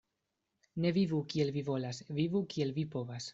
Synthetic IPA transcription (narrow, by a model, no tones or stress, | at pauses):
ne̞vivukie̞lvivo̞lasvivukie̞lvipo̞vas